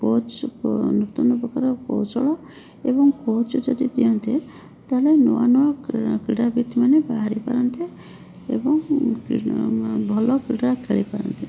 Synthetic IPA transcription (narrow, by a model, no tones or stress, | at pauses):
kot͡ʃnukt̪unɔpɔkaɾɔkɔ̰wt͡ʃɔɭɔ | ebɔŋkot͡ʃɔd͡ʒɔd̪id̪ijɔnt̪i | t̪alenuwa̰nɔɔkɾiɽabit̪manebaɦaɾipa̰ɾɔnt̪i | ḛbɔŋ | bʱɔlɔkɾiɽakʰeɭipaɾɔ̰nt̪i